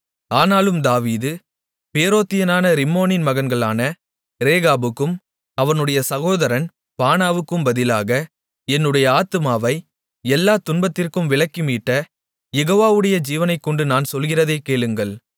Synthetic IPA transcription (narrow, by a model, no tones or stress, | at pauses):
aːnaːlɯmd̪aːʋiːðɯ | peːɾoːt̪ːɪjɐnaːnɐɾɪmːoːnɪnmɐɣɐnɡɐɭaːnɐ | ɾeːɣaːbɯkːɯm | ɐʋɐnɯɽɐjɐsɐɣoːðɐɾɐn | paːnaːʋɯkːɯmbɐðɪlaːɣɐ | ɛnːɯɽɐjɐaːt̪ɯmaːʋɐɪ | ɛlːaːt̪ʊnbɐt̪ːɪrkɯmʋɪɭɐkːɪmiːʈːɐ | jɛɣoːʋaːʋɯɽɐjɐd͡ʒiːʋɐnɐɪkːɔɳɖɯnaːnsɔlɣɪrɐðɐɪkːeːɭɯŋɡɐɭ